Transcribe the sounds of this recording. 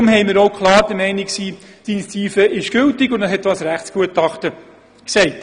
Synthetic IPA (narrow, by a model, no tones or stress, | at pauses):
mɦɛɪmɪɾoʊkχlˠɑːɾd̥əɾmɛɪnɪksiːd̥init͡siːfəɪʃɡ̥ʏltɪɡʊndəshɦɛt̪ʋɑsɾæχtsɡ̥uətɑχtə | ksɛɪt